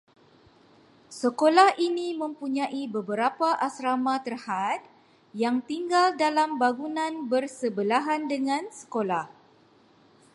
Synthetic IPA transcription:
səkolahʔinimə̃mpuɲãʔibəbəɾapaʔasɾamat̪ərhat̪̚ | jaŋt̪iŋɡaldalambaɡunãnbərsəbəlaɦandəŋãnsə̥kolah

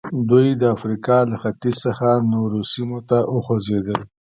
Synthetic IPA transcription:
d̪ujd̪əafɾikɑlaxat̪izsəxanoɾosimot̪aʔəxozed̪əl

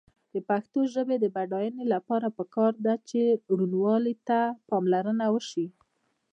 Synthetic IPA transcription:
d̪̥əpaxt̪oʒəbed̪əbaɖɑjənelapɑɾapəkɑɾd̪at͡ʃeɽunwɑlit̪apɑmlaɾənawəʃi

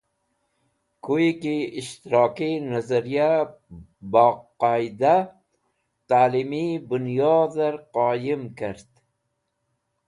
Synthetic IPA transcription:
kʰujikiːʃt̪iɾɑːkinazaɾija | baqɑjd̪a | t̪aːlimibʊnjɑːd̪aɾqɑːjimkaɾd̪̥

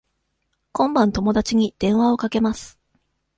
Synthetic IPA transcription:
kõ̞mbãnt̪o̞mo̞d̪at͡ɕiɲ̟id̪̥ẽ̞ɰ̃βao̞kake̞masɨ̥

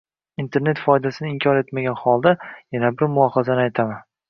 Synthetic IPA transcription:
int̪ʰe̞ɾne̞t̪fɒjd̪asɪnɪɪmkʰɒɾe̞t̪maɡʲanhɒlˠd̪ajanabɪɾmʊɒhazanɪajt̪ʰaman

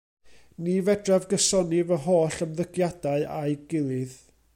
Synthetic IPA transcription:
nivɛdravɡəsɔnivəɦoːɬəmðəɡjad̥aɨʔaɨɡɪlˠɨð

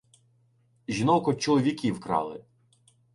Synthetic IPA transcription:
ʒʲin̪ɔkɔt͡ʃɔlˠɔʋʲikʲiwkɾɑ̰lˠɪ̰

